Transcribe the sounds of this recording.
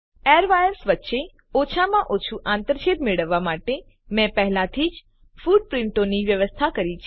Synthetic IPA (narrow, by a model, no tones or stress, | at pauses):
eɾʋajəɾsʋətːʃe | ot͡ʃʰamãʔot͡ʃʰuʔãnt̪əɾʃet̪meɭəʋːamaʈe | mɛ̃pəɦlat̪ʰid͡ʒ | fuɖ̚pɾɪɳʈoniʋjəʋəst̪ʰakəɾit͡ʃʰ